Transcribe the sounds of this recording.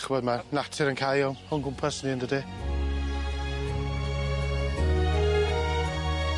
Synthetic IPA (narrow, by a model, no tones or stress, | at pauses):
χvɔdmanatʰɪɾənkʰajɔnɔnɡʊmpʰasniəndədi